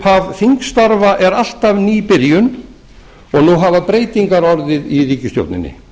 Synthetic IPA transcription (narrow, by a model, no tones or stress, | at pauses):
havθiŋkst̪aɾvaʔɛɾal̥t̪avniːpɪɾjʏn | ɔɣnuɦavaðpɾeːjt̪iŋkaɾɔɾðɪðiɾiːcɪsjo̰wt̪nɪ̰nːɪ̰